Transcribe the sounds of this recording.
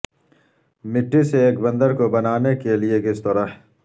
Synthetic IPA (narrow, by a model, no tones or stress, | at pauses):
mɪʈːiseːkbɐ̃nd̪əɾkobɐnaːnekeliekɪst̪ɐɾaɦ